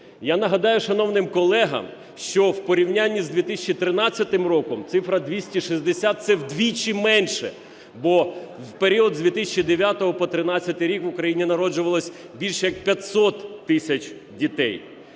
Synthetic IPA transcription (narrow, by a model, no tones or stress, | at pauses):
janɐɦɐd̪ɑjʊʃɐn̪ɔwnɪmkɔlˠɛɦɐ̰m | ʃt͡ʃɔwpɔɾʲiwnʲanʲːizd̪ʲʋʲit̪ɪsʲɪt͡ʃːit̪ɾɪnɑt͡sʲːɐt̪ɪmrɔkɔmt̪sɪfɾɐd̪ʲʋʲisʲtʲiʃizʲd̪esʲat̪̚sɛwd̪ʲʋʲit͡ʃɪmɛnʃɛ̰ | bɔwpeɾʲiɔd̪zʋʲit̪ɪsʲt͡ʃːid̪eʋʲjat̪ɔɦɔpɔt̪ɾɪnɑt͡sʲːɐt̪ɪjɾʲikʋʊkɾɐjinʲinɐɾɔd͡ʒʊʋɐlˠɔsʲ | bʲilʲʃɛjɐk̚pʲjɐt̪ʲsɔt̪ːɪsʲɐt͡ʃʲ | dʲit̪ɛ̰j